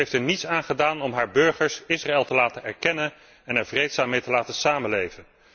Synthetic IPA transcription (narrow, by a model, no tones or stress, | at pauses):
ejftɛɹnitsaːnχədaːnɔmɦaːɹbɵɹχəɹsɪsraɛlˠtəlaːtənɛɹkɛnən | ɛnɛɹvrejtsaːmːejtəlaːtəsaːmənlejvən